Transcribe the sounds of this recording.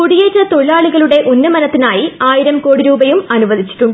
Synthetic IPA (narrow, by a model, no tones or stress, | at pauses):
kuɽijeːt͡ɕːɐt̪o̞ɭɭːaːɭuɣɐɭuɽe̞ʔonːɨmɐnɐt̪ːinaːjiaːjiɾɐmko̞ːɽiɾuːbɐjumɐnuʋɐd̪ʱit͡ɕːi̥ʈːuɳɖɨ